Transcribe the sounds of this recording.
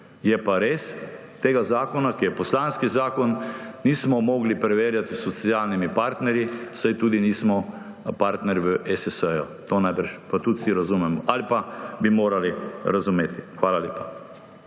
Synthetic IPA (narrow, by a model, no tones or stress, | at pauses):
jɛpaɾeːs | t̪eːɡazaːkɔnakijɛpɔslanskizaːkɔnːiːsmɔmɔːɡlipɾɛʋeːɾjat̪isɔt̪sjaːlnimipaɾt̪nɛɾjisajt̪uːd̪iniːsmɔ | paɾt̪nɛɾʋəʔɛsɛsəjɔ | t̪oːnajbɾt͡ʃpat̪ut̪siɾazuːmɛmɔʔalipabimoːɾaliɾazumeːt̪ʰi̥xʋaːlalʲeːpa